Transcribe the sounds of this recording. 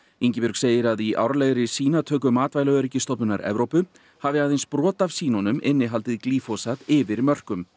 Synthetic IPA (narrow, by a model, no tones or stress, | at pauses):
iɲcɪpʏɾkseːjɪɾaðiʔa̰wɾaleɣɾɪsiːnat̪ʰœːk̬ʏmaːt̪vajlaœɾɪcɪst̪ɔpnʏna̰ɾɛ̰vɾowpʏ | havɪaːðejnspɾɔːt̪av̥siːnɔnʏmɪnːɪɦalt̪ɪðkliːfɔsat̪ɪvɪɾmœr̥kʏm